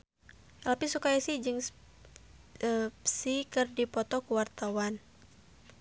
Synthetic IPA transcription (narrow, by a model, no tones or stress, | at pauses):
alapisukajasihd͡ʒɨŋ | əsikɨrdipɔt̪ɔkuwart̪awan